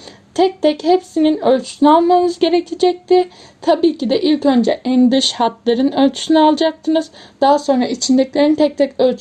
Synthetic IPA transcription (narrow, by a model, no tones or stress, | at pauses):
t̪ʰɛc̚t̪ʰɛchepsininølʲt͡ʃʰy̥synyalˠmamɯzɟe̞ɾecʰed͡ʒɛc̚t̪ɪ | t̪ʰabiːcʰid̪ɛʔilʲcø̞nd͡ʒɛʔænd̪ɯʃhat̪lˠaɾɯnø̞lʲt͡ʃʰy̥synɛalˠad͡ʒak̚t̪ʰɯnɯz̥d̪aɦaso̞nɾait͡ʃʰind̪ɛclʲeɾint̪ʰɛc̚t̪ʰɛcølʲt͡ʃʰ